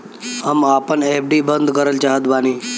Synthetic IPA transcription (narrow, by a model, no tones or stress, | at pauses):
amapəɳepʰɖiːbənd̪ʱkəɾəlt͡ʃaɦət̪bañiː